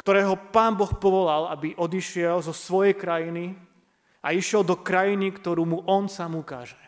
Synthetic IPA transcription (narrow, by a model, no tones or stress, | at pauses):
kt̪ɔɾɛːɦɔpaːnbɔxpɔʋɔlalabiʔɔd̪iʃɪɛlzɔsʋɔjɛjkɾajini | aiʃɪɛlˠd̪ɔkɾajinikt̪ɔɾuːmuʔɔnsaːmuka̰ːʒɛ